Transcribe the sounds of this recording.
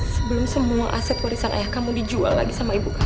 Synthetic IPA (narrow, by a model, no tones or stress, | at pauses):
səbəlʊmsəmuaʔasɛt̪̚waɾisanʔa̰jahkamudid͡ʒua̰lːa̰ɡisamaibuk